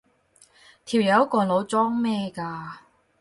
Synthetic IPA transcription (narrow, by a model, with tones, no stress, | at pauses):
t̪ʰiː˨˩wjɐ˨˧˥wkɔː˧lo˨˧wt͡sɔː˥ŋmɛː˥˩kaː˧